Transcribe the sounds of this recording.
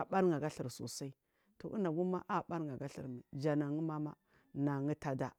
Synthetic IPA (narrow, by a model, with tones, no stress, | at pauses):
a˨ɓa˦ɾŋɡa˨ɡa˦ɬi˨ɾso̰˨sa˦i˦ | to̰˨ʔḭ˦na˨ɡu˦ma˦ʔa˦ɓa˦ɾŋɡa˨ɡa˦ɬḭ˨ɾmi˨d͡ʒa˨na˨ŋi˦ma˦ma̰˦ | na˨ŋi˦ta˨da˨